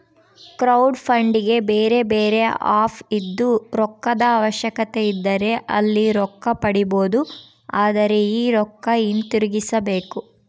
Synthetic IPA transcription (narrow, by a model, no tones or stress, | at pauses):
kɾɐwɖpʰɐɳɖiɡe̞beːɾe̞beːɾe̞a̰ːpʰid̪ːuɾɔkːɐd̪ɐaːʋɐʃjɐkɐt̪e̞id̪ːɐɾe̞ʔɐ̰lːiɾɔkːɐpɐɽibo̞ːd̪u | aːd̪ɐɾe̞iːɾɔkːɐint̪iɾuɡisɐbe̞ːku